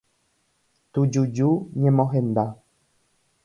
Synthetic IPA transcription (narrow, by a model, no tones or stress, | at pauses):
t̪ud͡ʒud͡ʒuɲẽmõɦẽnd̪a